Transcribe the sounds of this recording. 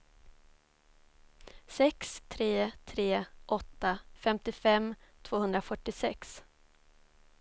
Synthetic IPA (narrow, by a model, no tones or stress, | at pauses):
sɛkst̪ʰɾeːt̪ʰɾeːʔɔt̪ːafɛmt̪ɪfɛmt̪ʰvoːhɵnd̪ɾafœʈːɪsɛks